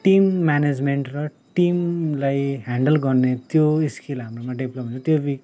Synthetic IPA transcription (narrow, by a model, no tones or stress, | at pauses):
ʈimːaned͡zmeɳʈrʌ | ʈimlajɦaɳɖʌlɡʌrnet̪joiskilɦamromaɖiblomɦũnt͡sʰʌt̪jobik